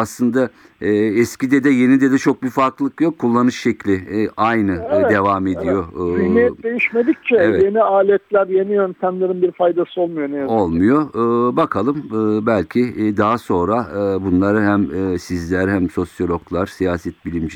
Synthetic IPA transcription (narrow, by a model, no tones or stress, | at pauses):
aslˠɯnd̪a | ɛscid̪ɛd̪ɛje̞nid̪ɛd̪ɛt͡ʃʰo̞k̚biɾfaɾklˠɯkjokʰːulˠːanɯʃʃɛclʲɪʔajnɯd̪e̞vaːme̞d̪ijo̞imijɛd̪e̞jiʃmed̪ik̚t͡ʃʰɛevɛje̞niaːlʲɛt̪lʲæɾjenijønt̪ʰæmlʲeɾinbiɾfajd̪asɯolˠmujoneo̞lˠmmujo̞ːbakʰalˠɯmɯbælʲcʰid̪aɦaso̞nɾabunlˠaɾɯɦæmɯsizlʲæɾhæmso̞sjo̞lʲo̞klˠaɾ̥sijaːsɛt̪̚bilʲimd͡ʒ